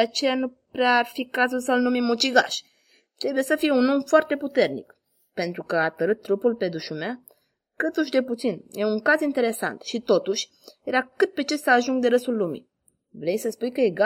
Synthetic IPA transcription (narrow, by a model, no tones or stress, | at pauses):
d̪eat͡ʃe̞janupɾearfikazulsəlnumimːot͡ʃiɡa̰ʃʲ | t̪ɾe̞buje̞səfijeunomfoart̪e̞put̪e̞rnḭk | pe̞nt̪ɾukəat̪əɾɨt̪ːɾupulpe̞d̪uʃumea | kɨt̪uʃ̬d̪e̞put̪sinje̞uŋkazint̪e̞ɾe̞sa̰nt̪ʃit̪o̞t̪uʃʲ | je̞ɾakɨt̪̚pe̞t͡ʃe̞saːʒuŋɡ̚d̪e̞ɾəsulːumḭ | vɾe̞jsəspujkəje̞ɡa